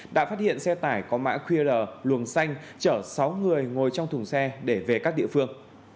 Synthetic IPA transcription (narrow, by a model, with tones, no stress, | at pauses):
ɗa̰ː˧˥faː˥t̚hḭ˧˨ənsɛ˧t̪aː˧˩jkɔ˨˦ma̰ː˧˥xʰwi˧ələː˨˩lwə˨˩nsa˧jŋ̟t͡ɕəː˧˩sa˨˦wŋɨ˨˩əjŋo˨˩jt͡ɕɔ˧wŋ͡mt̪ʰʊ˨˩ŋ͡msɛ˧ɗe˧˩ve˨˩kaː˦˥k̚ɗḭ˧ə˨fɨ˧əŋ